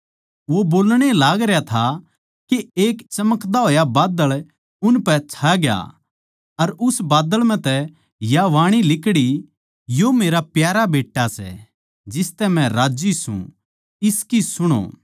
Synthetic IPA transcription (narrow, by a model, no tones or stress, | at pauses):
ʋoboːlɽ̃elaːɡɾjat̪ʰa | keeːkt͡ʃɐməkd̪aɦoːjabaːd̪əɭ | ʊnpɛt͡ʃʰaɡja̰ | ɐɾʊsbaːd̪əɭmɛ̃t̪ɛ | jaʋaːɽ̃ilɪkɽi | jomeːɾapjaːɾabeːʈːasɛ̰ | d͡ʒɪst̪ɛmɛ̃ɾaːd͡ʒisṵ̃ | ɪskisʊɽ̃o̰ː